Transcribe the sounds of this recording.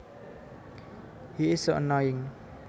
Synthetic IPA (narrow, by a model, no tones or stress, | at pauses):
hiɪsəʔənɔjɪ̃ŋ